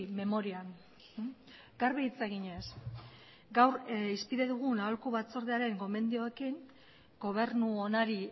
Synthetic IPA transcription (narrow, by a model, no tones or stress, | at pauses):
me̞mo̞ɾian | ɡ̥aɾβeit͡seɣiɲe̞s | ɡawɾispiðe̞ðuɣ̞unaolkuβat͡so̞ɾðeaɾe̞ŋɡo̞me̞nd̪io̞e̞kiŋ | ɡo̞β̞e̞ɾnuonaɾi